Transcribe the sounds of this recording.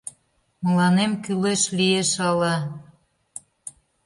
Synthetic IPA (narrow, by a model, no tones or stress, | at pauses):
mə̆lɑnemkyleʃlieʃɑlɑ